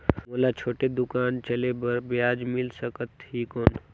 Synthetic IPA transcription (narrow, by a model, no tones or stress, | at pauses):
moːlat͡ʃʰoːʈed̪ʊkaːnt͡ʃɐlebɐɾbjaːd͡ʒmɪlsəkət̪ɦiːkɔːn